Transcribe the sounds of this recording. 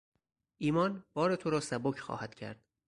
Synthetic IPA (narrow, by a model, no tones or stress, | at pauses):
ʔiːmɒːnb̥ɒːɾe̞t̪ʰoɾɒːsæbocʰxɒ̰ːhæd̪̥cʰæ̰ɾd̪̥